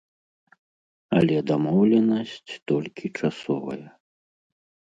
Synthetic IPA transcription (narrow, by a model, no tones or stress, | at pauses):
ɐlʲɛd̪amɔwlʲɛnɐsʲt͡sʲt̪ɔlʲkʲit͡ʂasɔvɐ̰jɐ